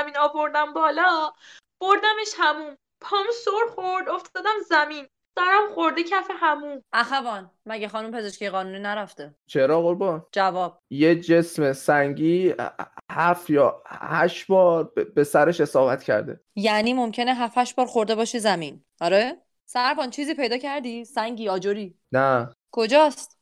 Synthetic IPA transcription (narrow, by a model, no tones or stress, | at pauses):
æminɒːvo̞ɾd̪æmbɒːlɒ | b̥oɾd̪æmeʃhæmum | pʰɒmusoɾxoɾd̪oft̪ʰɒd̪æmzæmin | sæɾæmχoɾd̪ecʰæfehæmumʔæxævɒːn | mæɟexɒːnumpʰe̞zeʃkʲijeɣɒːnuːniːnæɾæft̪et͡ʃʰeɾɒːɣoɾbɒnd͡ʒævɒːb̥̚jed͡ʒe̞smesæŋɟiː | hæfjɒːhæʃbɒːɾbe̞sæɾeʃe̞sɒːbæt̪cʰæ̰ɾd̪ḛ | jæniːmomcʰe̞neɦæfæʃbɒːɾxoɾd̪e̞bɒːʃizæmin | ɒɾe | sæɾbɒːnt͡ʃʰiːziːpʰejd̪ɒːcʰæɾd̪isæŋɟiːɒːd͡ʒoɾiː | næ | kʰo̞d͡ʒɒːst̪